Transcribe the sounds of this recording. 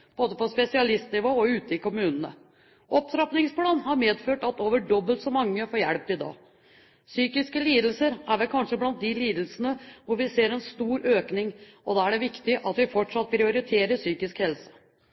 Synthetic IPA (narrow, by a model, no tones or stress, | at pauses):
b̥oːd̪əpɔspɛsɪɑlɪst̪nɪʋoːɔʉːt̪əɪkʊmʉːnənə̰ | ʔɔpsɾɑpnɪŋspʰlɑːnhɑɾmeːd̪føːʈɑt̪oːʋəɖɔbːəlt̪sɔmɑŋːəfoːɾjæɽpɪd̪ɑ̰ː | syːkɪskəliːd̪əl̩səɾæɾʋɛlkʰɑnʂəblɑnt̪̚d̪ɪliːd̪l̩sənəʋʊɾʋɪseːɾɛnst̪uːɾøːknɪŋʔɔd̪ɑːæɖɛʋɪkt̪ɪʔɑt̪ʋɪfɔʈʂɑt̪̚ːpʰɾɪʊɾɪt̪ʰeːɾəsyːkɪskhɛlsə̥